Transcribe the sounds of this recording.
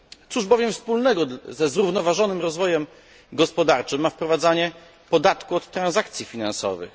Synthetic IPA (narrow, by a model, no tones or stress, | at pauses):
t̪suʐbɔvʲjɛmfspulnɛɡɔzɛzɾuvnɔvaʐɔnɘmɾɔzvɔjɛm | ɡɔspɔd̪aɾt͡ʂɘmːafpɾɔvad̪zaɲɛ | pɔd̪at̪kuɔt̪ːɾanzak̚t̪sʲjifʲina̰nsɔ̰vɘ̰x